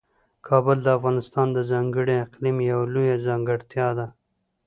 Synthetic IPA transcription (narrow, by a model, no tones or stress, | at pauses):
kʰɑbʊld̪əafɣɑnɪst̪ɑnd̪əzɑŋɡəɽeɪqlimjawlujazɑːŋɡəɽt̪jɑd̪a